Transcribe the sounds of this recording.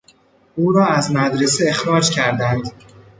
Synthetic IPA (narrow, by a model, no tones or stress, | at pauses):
ʔuːɾɒːæzmæd̪ɾeseexɾɒːd͡ʒcʰæɾd̪ænd̪